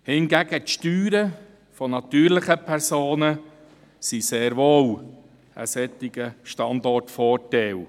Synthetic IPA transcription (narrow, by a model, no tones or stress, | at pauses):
hɪnɡæɡ̥ətʃtyːɾə | fɔnɑt̪yːɾlɪχəpʰɛɾsoːnə | siseːɾʋoːl | ə̰sɛt̪ːɪɡ̥əʃtɑndɔrtfɔːtɛl